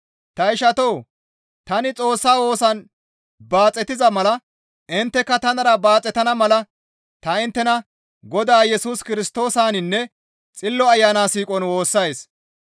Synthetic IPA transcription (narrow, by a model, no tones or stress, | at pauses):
t̪ɐɪʃɐt̪ow | t̪ɐnɪt͡sʼo̞ːsːaːwo̞ːsɐn | baːt͡sʼːɛt̪ɪzɐmɐlɐ | ɪnt̪ːɛkːɐt̪ɐnɐɾɐbaːt͡sʼɛt̪ɐnɐmɐlɐ | t̪ɐɪnt̪ːɛnɐ | ɡɔd̪aːjɛsuːskɪɾɪst̪o̞ːsaːnɪnːɛ | t͡sʼɪlːɔɐjːaːnaːsiːkʼɔnwo̞ːsːɐjs